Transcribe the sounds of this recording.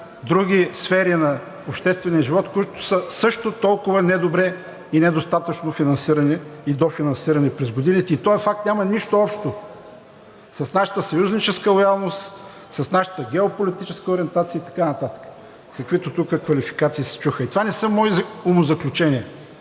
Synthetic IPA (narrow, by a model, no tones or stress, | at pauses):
d̪ɾuɡ̟ʲisfɛɾinɐ | opʃt̪ɛst̪vɛnʲiɐʒivɔt̪koit̪ʊ̥səsɤʃt̪ot̪ɔlˠkʊvənɛd̪obɾɛ | inɛd̪ost̪at̪ət͡ʃnofinɐnsiɾɐnɛid̪ofinɐnsiɾɐnɛpɾɛzɡod̪init̪ɛit̪ɔɛfak̚t̪nʲamɐniʃt̪oɔpʃt̪o | sɐsnaʃə̥t̪əsɐjuznit͡ʃɛskəlˠojalˠnost̪ | sɐsnaʃə̥t̪əɡʲɛopolit̪it͡ʃɛskəoɾiɛnt̪at̪siəit̪ɐ̥kanɐt̪at̪ə̥kə̥ | kɐkvit̪ot̪ukəkvɐlifi̥kat̪siisɛ̥t͡ʃuxəit̪ovanɛsəmɔizomozɐklʲut͡ʃɛnʲiɛ